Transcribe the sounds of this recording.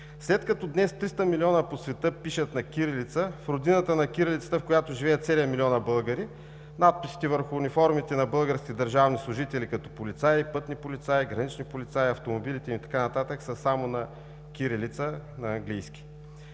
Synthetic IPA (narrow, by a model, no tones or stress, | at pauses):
slɛt̪kɐt̪ɔd̪nɛst̪ɾist̪əmiliɔnəposvɛt̪əpiʃət̪nɐkʲiɾilit̪səfɾod̪inət̪ənɐkʲiɾilʲit̪sə̥t̪əfkojat̪oʒivɛːət̪sɛlijəmilʲiɔnəbɤlˠɡəɾi | nat̪̚pisi̥t̪ivəɾxʊːnifɔɾmit̪ɛnɐbɤlˠɡəɾsk̟ʲid̪əɾʒavnislˠʊʒit̪ɛlikɐt̪ɔpolit̪sajipɤt̪nipolʲit̪saiɡɾɐnit͡ʃnipolʲit̪saiɐft̪omobilit̪ɛmit̪ɐ̥kanɐt̪at̪əksəsamonɐ | kʲiɾilit̪sənɐːŋɡlijskʲi̥